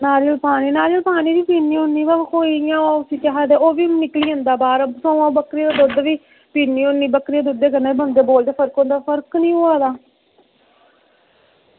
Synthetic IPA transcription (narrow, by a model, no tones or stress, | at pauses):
naːɾiːəlpaːniːnaːɾiəlpaːniːdiːpiːnːiːonːĩːbalkoːijãːoʊsĩːt͡ʃaɦaːd̪eːoːʋiːnɪkliːə̃nd̪aːbaːɾsõːãːbəkɾiːd̪ad̪od̪ʋiː | piːnĩːonːĩːbəkɾiaːd̪ʊd̪eːkəɾnaːibənd̪eːboːld̪eːpʰəɾkɦõːnd̪aːpʰəɾknĩːoːaːd̪aː